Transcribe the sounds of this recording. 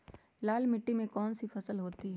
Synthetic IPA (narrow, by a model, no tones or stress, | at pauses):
laːlmɪʈːimẽkɔːnsifɐsəlɦoːt̪iɦɛː